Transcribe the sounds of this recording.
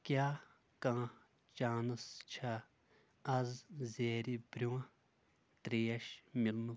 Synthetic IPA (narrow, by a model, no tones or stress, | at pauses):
kʲjaː | kãː | t͡ʃaːnɨst͡ʃʰɐ | ɐzzeːɾibɾʲuwɐ̃ | t̪ɾiːjɐʃmilnu